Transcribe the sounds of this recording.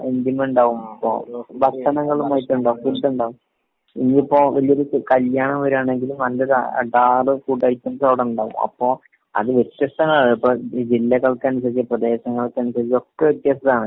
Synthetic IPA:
end̪jɐmuɳɖaːʋumɐpːo̰ːbɐt̪ʰːɐnɐŋːɐɭumɐjit̪ːuuɳɖaːʋumpult̪ːuɳɖaːʋum | inːiipːoːʋɐlijoɾukɐljaːɳɐmʋɐɾuaːɳe̞ŋɡilumnɐlːɐɾa̰ɐ̰ɖaːrɨkuːʈːɐːɾikʲːunsɐʋɽɐmuɳɖaːʋṵmɐ̰pːo̞ː | ɐ̰ðɨʋet̪ːjɐst̪ɐnaːɳɨipːod͡ʑilːɐɣɐɭkːɐːnus̬ɐt͡ɕːiprɐd̪e̞ːɕɐŋːɐɭkːanusɐio̞kːeʋet̪ːjɐst̪ɐðaːɳɨ

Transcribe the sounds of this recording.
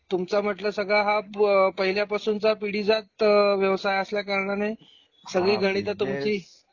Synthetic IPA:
t̪umt͡sam̤əʈləːsəɡɭaɦapəɦiljapasuːnt͡sapiɽiːd͡zat̪̚ʋjəʋsajəsljakaɾɳane | səɡɭiːɡʱəɽ̃it̪̬at̪umt͡ɕiː

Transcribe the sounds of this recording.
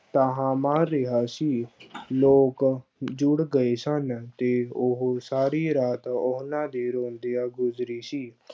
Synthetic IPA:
t̪aːɦãːmãːɾɪɦaːsiːloːkd͡ʒʊɽɡəeːsənt̪eːʊɦsaːɾiːɾaːt̪oɦnãːd̪eːɾõːnd̪eːaːɡʊzɾiːsiː

